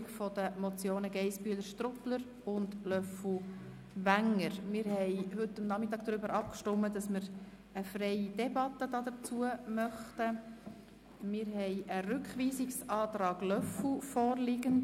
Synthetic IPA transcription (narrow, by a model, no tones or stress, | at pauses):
kfɔd̥̪əmɔt͡sjoːnəɡɛɪspyələɾʃtrʊpləɾ | ʊndlœfu | ʋæŋːəɾmɪɾhɛɪɦɵtːəmnɑmɪt̪ːɑːɡ̚d̥̪ɾʏbəɾʔɑp̚kʃtʊmːədɑsməɾ | əfrɛɪid̥ɛbɑt̪ːədɑːd̥̪ət͡suəmœχtə | mɪːɾɦɛɪʔəɾʉkχʋiːsɪksɑːt̪ɾɑːɡ̥lœfufɔːrlɪɡənd